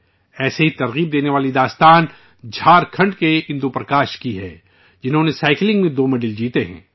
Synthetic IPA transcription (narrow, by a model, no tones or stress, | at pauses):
ɛːseɦit̪ɐɾɣiːb̚d̪eːneʋaːlid̪aːst̪aːn | d͡ʒʱaːɾkʰɐ̃ɳɖkeɪ̃nd̪upɾɐkaːʃkiɦɛ̰ː | d͡ʒɪnɦõːnesaːɪklɪ̃ŋɡmẽd̪oːmɐɖɪld͡ʒiːt̪eɦɛ̰̃ː